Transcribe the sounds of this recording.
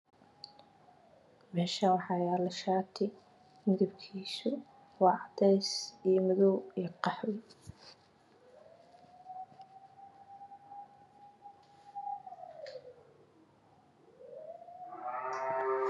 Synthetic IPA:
mɛːʃɐnwɑħɑːjaːlɐʃaːt̪ʰɪ | mɪðɐbkʰiːsʊ | wɑːʕɑd̪ɛjsijɔmʊðɔwijqɑħwɪ

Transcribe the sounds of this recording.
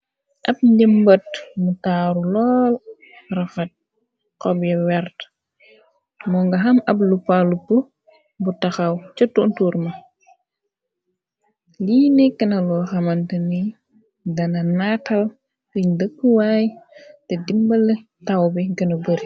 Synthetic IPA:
ʔɐp̚ndimbɐt̚mutaːɾulɔːl | rɐfɐt̚ | qɔbjɛwɛɾt | mɔŋɡɐɦɐmɐblupalupu | butɐxɐwt͡ʃɐtːuntuːɾmɐ | liːnɛkːɐnɐlɔxɐmɐntəni | dɐnɐnatɐl | kuɲdəkːəwaːjtɛdimbɐlɛ | tɐwbiɡɐnɐbəɾi

